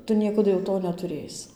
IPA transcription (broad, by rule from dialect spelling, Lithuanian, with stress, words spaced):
ˈtʊ ˈnʲiɛkɐdʊ jɛʊ ˈtoː nʲɛtʊˈrʲeːsʲɪ